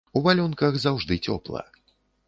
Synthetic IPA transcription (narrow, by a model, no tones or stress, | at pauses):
uvalʲɔnkɐxzawʐd̪ɨt͡sʲɔ̰plˠɐ̰